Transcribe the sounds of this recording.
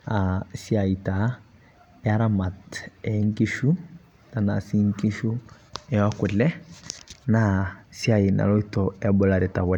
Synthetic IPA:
a˨si˦a˨i˨ta˨˦ | ɛa˦ɾa˦ma˨tɛ˨˦ŋ˦ki˦ʃu˦ | na˨na˨si˦ŋki˦ʃu˦ | ɛ˦wa˦kʊ˨lɛ˦ | nasi˦a˨i˨na̰˨lɔ˦i˦tɔɛbɔ˨la˨ɾi˨ta˨wɔ˨

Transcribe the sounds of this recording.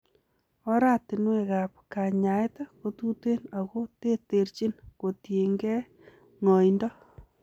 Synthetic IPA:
ɔ˦ɾa˦tɪ˨nwe˨ɣa˨p̚ka˨ɲa˨e˦ta˦ko˦tu˦te˦na˨ɣo˦te˦te˨ɾt͡ʃi˦nko˨tje˨ŋɡɛ˦ | ŋɔ˨indɔ˦

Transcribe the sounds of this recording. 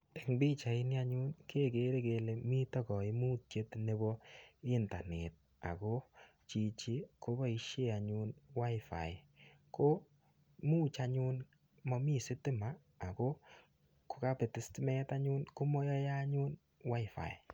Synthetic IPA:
tɛ˨ŋbi˦t͡ʃa˨ɪ˦ni˦a˦ɲu˦nke˦˨ke˦ɾe˦ke˨le˨mi˦tɔ˦kɔ˨ɪ˦mu˦t̚t͡ʃe˦tne˦bɔ˦ɪ˦nta˨nɛ˨t̚ | a̰˨ko˦ | t͡ʃi˨t͡ʃi˦ko˦ba˦i˦ʃe˦a˨ɲu˦nwa˦ɪfa̰˨jko˦ | mu˦t͡ʃa˧ɲʊ˦n | mɔ˧mi˦sɪ˦tɪ˦maː˨ | ko˦ | ko̥˦ka˦pe˨tɪ˦stɪ˦mɛ˦ta˦ɲu˦nko˦mɔ˦jɔ˦ja˦ɲu˦n | wa˦ɪ˨fa̰˨j

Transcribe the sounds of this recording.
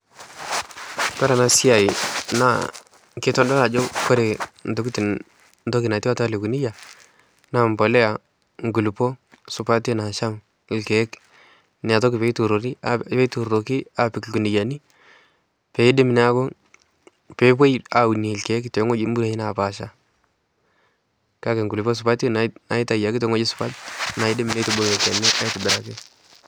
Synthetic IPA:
pɛ˦ɾa˨na˨sɪ˦a˨i˨na̰˦ | ke˦tɔ˦ndɔ˦na˨d͡ʒo˦kɔ˦ɾe˨n˨tʊ˨˦ku˦tɪ˨n | nto˦ki˨na˨ti˦wa˦ta˦le˨ku˨ni˦ja˨ | na˨mbɔ˨lɛ˦a˨ | ŋɡu˨lpo˦ | sʊ˨pa˦te˦na˨ʃa˦m˨ | lkɛ˨˦k | nɪ˨a˨t̬ɔ˦kɪ˨pe˦tu˨ɾo˨ɾi˦pɛ˦tu˨ɾɾo˨ki˦a˨pɪ˨kku˨ndi˨ja˨ni˦ | pɛ˨ɪ˦dɪ˦m˨n˦a˦ko˦ | pɛ˦p̬we˦ja˨u˨ni˨lkɛ˦ktɛ˨˦ŋɔ˦d͡ʒi˦mbu˦ɾa˨˦i˦na˨pa˨ʃa˦ | ka˦kɛ˨ŋɡu˨lpɔ˦s̬u˨pa˦tnna˨i˦ta˨ja˨ki˦tɛ˦ŋɔ˦d͡ʒi˦su̥˨pa˦tna˨i˦dɪ˦m˨ne˦tu˨bo˨e˨ka˨ni˦ʔa˦i˦tɪ˨bɪ˨ɾa˨ki˦

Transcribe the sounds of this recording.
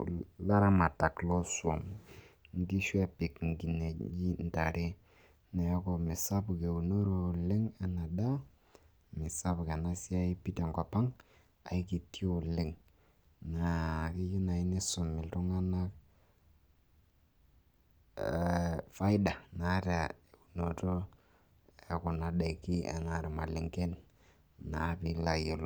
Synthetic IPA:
la˦ɾa˦ma˨ta˨klo˦su˨o̰˨mŋ˦ɡi˦ʃu˦a˦pi˨kŋ˨ɡi˨ne˨˦d͡ʒi˦n˨ta˨ɾe˦ | na˨jo˦ɡo˨mi˨sa˦bu˨ɡe˨u˨no˦ɾo˨le˦ŋa˦na˨da˦ | mi˨sa˦bɡa˨na˦si˦a˦i˦pi˦ta˨ŋɡa˨pa˦ŋ | a̰˨i˦ki˨ti˦o˨le˦ŋ | na˨kɪ˦ju˦na˨i˦nɪ˦sʊ˨mːɪ˨ltu˦ŋa˦na˦k | fa˦ɪ˦da˨na˨˦ta˨u˨no˨to˦ | e˨kʊ˨na˨ɗa˨i˨ki˦ɛ̰˨na˨ɾma̰˨lɪ˨ŋke˦n | na˨˦pi˦la˨je˨l

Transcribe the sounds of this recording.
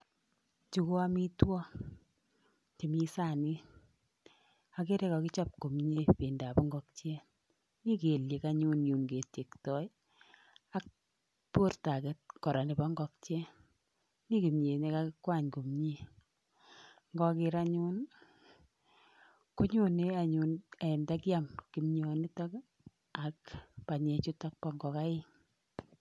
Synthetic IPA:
t͡ʃu˨ko˦a˦mi˦twɔ˦ | ke˨mi˦sa˦˨ni˦ | a˨ke˦ɾe˦kɔ˨kɪ˦t͡ʃɔ˦p̚ko˨mɲe˦pe˨nda˨pɔ˦ŋɡɔ˦k̚t͡ʃe˦ | ni˦ke˨lje˨ka˦ɲu˦nju˨nke˨te˨ktɔ˨˦j | a˦k̚ | po˦rta˨ke˦t̚kɔ˨ɾa˨ni˨bɔ˦ŋɡɔ˧k̚t͡ʃe˦ | ni˦ki˨mɲe˨ne˦ka˦kɪkwa˦˨ɲku˨mɲi˦ | ŋɡɔ˦kɪ˦ɾa˦ɲu˦n | ku˦ɲu˦ni˦a˨ɲu˨ne˨nda˦kɪ˦a˦mki˨mɲo˨ni˦tɔ˦k | a˨kpa˨ɲe˨t͡ʃu˦ta˦k̚pɔ˦ŋɡɔ˨ka˦ɪ˦

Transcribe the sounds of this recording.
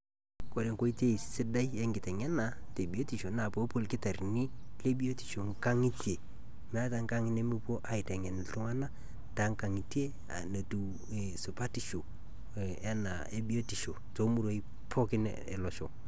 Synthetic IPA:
ko˨ɾe˨ŋko˦i˦te˦i˨sɪ˦da˦jɛ˦ŋɡɪ˨tɛ˨ŋɛ˦na˨te˨bi˨o˦ti˨ʃo˨na˨po˨˦po˦˨lkɪ˦ta˨rni˦ | le˦bi˦o˦ti̥˨ʃo˨ŋka˦ŋi˦tje˨ | m˦a˦ta˨ŋka˦ŋɪ˦ne˦mu˦po˦ʔa˨ɪ˨tɛ˨ŋɛ˨n˨ltʊ˦ŋa˦na˦ | ta˨˦ŋka˨ŋi˨tje˦ | a̰˨no˨tu˨ | e˨sʊ˨pa˦ti˨ʃo˨ | ɛ˦na̰˨e˦bi˦o˦ti˨ʃo˨to˨˦mu˦ɾo˦i˦ | pʰo˦kɪ˦nḛ | ḛ˨lɔ˨ʃo˨

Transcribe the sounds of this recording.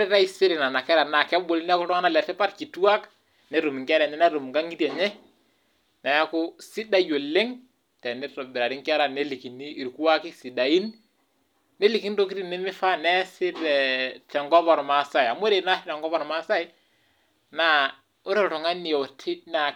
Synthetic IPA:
o˦ɾɪ˦ɾa˦i˦sɪ˦ɾɪ˨na˨na˨kɛ˦ɾa˨na˨kɛ˦bo˨li˦nɛ˦a˦kɾɔ˦ŋa˦na˦lɛ˨tɛ˦pa˦ɾki˨tu˦a˦k | nɛ˨˦ɾu˨m˨ŋkɛ˦ɾɛ˨ɲɛ˦na˦ɾu˨mŋɡa˦ŋi˦tɛ˨ɲɛ˦ | na˨ja˦kʊ˦sɪ˦da˦jo˨lɪ˦ŋ | tɛ˨nɛ˦tɔ˨bɪ˨ɾa˨ɾɪ˦ŋkɛ˦ɾa˨ne˦li˨ki˨niː˦˨ɾku˦wa˦kɪ˦si˨da˨i˦n | ne˦li˨ki˦nto˦ki˦ɾi˦nɛ˦mɪ˦fa˦nɛ˦sɪ˦ɾɛ˨tɛ˨ŋɡɔ˦pɔ˨ɾma˨sa˦˨ja˨mo˦ɾe˨na˦sɪ˦tɛ˨ŋɡɔ˦pɔ˨ɾma˦sa˦i˦ | na˨ | ʊ˦ɾe˦˨tɔ˨ŋa˦ni˨ɛ˨tʰɪ˦na˨

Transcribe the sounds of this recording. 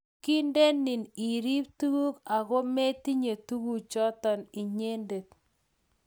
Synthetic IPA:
ki˦nde˦nːɪ˨ni˨ɾi˦p̚tu˦ku˦ka˨ko˦me˦ti˦ɲe˨tu˦ku˦t͡ʃɔ˦tɔ˨ni˨ɲe˦nde˨t̚

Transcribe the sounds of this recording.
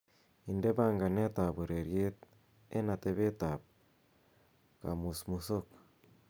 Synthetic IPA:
i˨nde˦ba˦ŋɡa˨ne˦t̪a˨bu˨ɾe˨ɾje˦t̪̚ | e˦na˨t̪e˦βe˦t̪a˨p̚ | ka̰˨mu˨smu˨so˦k

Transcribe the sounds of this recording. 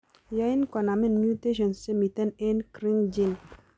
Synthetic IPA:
ja˨˦i˦nkɔ˨na˨mi˦nmju˦t̪e˦ʃ̬ɔ˨nse˦mi˨t̪ɛ˦ne˦nkɾi˦ŋd͡ʒi˦˨n

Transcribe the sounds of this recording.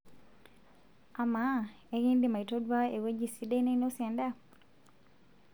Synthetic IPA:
a˨ma | e˦ɣi˦ndi˨ma˨i˨to˦dwa˦e˨we˦d͡ʒi˨si˦de˦ne˦no˦sjɛ˨nda˦

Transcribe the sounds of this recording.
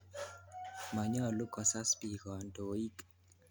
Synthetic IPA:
ma˨ɲɔ˦˨lo˦kɔ˨sa˦spi˨kɔ˨ndo˨i˦k

